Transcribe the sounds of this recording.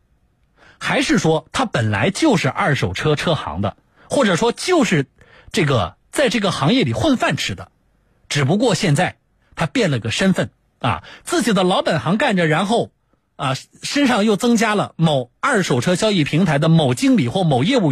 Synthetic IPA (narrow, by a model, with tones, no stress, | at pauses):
xa˧˥ɪʂɻ̩˥˩ʂwɔ˥t̪ʰa˥pə˨˩nla̰˧˥ɪt͡ɕjo˥˧ʊʂɻ̩˥˧ʔɐ˥˩ʂo˨˩ʊʈ͡ʂʰɤ˥ʈ͡ʂʰɤ˥xɑ̰˧˥ŋd̪ə̰˧ | xwɔ˥˩ʈ͡ʂɤ˨˩ʂwɔ˥t͡ɕjo˥˧ʊʂɻ̩˥˧ | ʈ͡ʂɤ˥˩ɡə̰˩ | t͡sa˥˧ɪʈ͡ʂɤ˥˩ɡə˩xɑ˧˥ŋjɛ˥˩li˨˩xwə˥˧nfa˥˩nʈ͡ʂʰɻ̩˨˩d̪ə̰˧ | ʈ͡ʂɻ̩˨˩p̬u˧˥k̬wɔ˥˧ɕjɛ˥˧nt͡sa˥˩ɪ | t̪ʰa˥pjɛ˥˩nlə˩i˧˥ɡə˧ʂə˥nfə˥˩n | ɐ̰˧t͡sɹ̩˥˩t͡ɕi˨˩d̪ə˦lɑ˧˥ʊpa˨˩nxɑ˧˥ŋka˥˩nʈ͡ʂə˩ɻa˧˥nxo˥˩ʊ | ɐ˧ʂə˥nʂɑ˥˧ŋjo˥˩ʊt͡sɤ˥ŋt͡ɕja˥lə̰˨mo˨˩ʊɐ˥˩ʂo˨˩ʊʈ͡ʂʰɤ˥ɕjɑ˥ʊi˥˩pʰi˧˥ŋt̪ʰa˧˥ɪd̪ə˧mo˨˩ʊt͡ɕi˥ŋli˨˩xwɔ˥˩mo˨˩ʊjɛ˥˧u˥˩